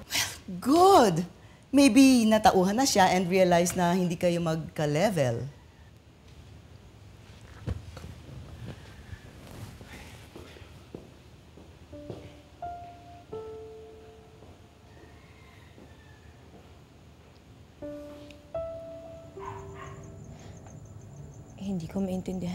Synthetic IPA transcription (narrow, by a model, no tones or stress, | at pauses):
wɛlɡʊd̪ | mejbinɐt̪ɐʔuːɦɐnːɐʃaʔɛnd̪ɹiɐlajsnɐhɪnd̪iːkɐjo̞mɐɡ̚kɐlɛvɛl | hɪnd̪iːkomɐʔɪnt̪ɪnd̪ɪɦ